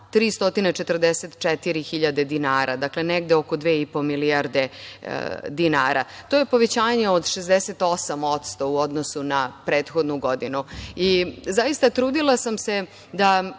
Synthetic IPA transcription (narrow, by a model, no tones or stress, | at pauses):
t̪ɾiːst̪o̞t̪inet͡ʃet̪r̩d̪eset̪t͡ʂɛt̪iɾixiʎad̪e̞d̪inaːɾʔad̪akleneɡd̪eokod̪ʋeːipo̞miliaɾd̪e̞̰ | d̪inaːɾa̰t̪o̞jepo̞ʋet͡ɕaːɲeod̪ʃezd̪ɛset̪o̞samo̞t̪st̪o̞uod̪nosunapɾeːt̪xod̪nuɡo̞d̪inuizaist̪at̪ɾuːd̪ilˠasamse | d̪a